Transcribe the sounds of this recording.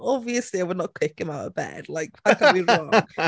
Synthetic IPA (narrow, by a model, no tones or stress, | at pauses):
ɔbviəsliaɪwədⁿnət̚kʰw̥ɪkɪ̃maʊtə̰bɛ̰d̥laɪk̚pʰakʰaiɹɔŋ